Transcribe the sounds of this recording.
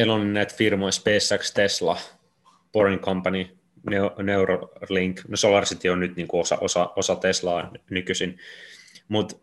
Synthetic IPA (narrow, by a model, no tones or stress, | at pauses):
ilonnæit̪firmoispeːsːækst̪eslɑ̰ | poriŋkompɑni | neuneuroliŋknosolɑrsit̪ionnyt̪niːŋkuosɑ̰ʔosɑʔosɑt̪eslɑːnykysin | mut̪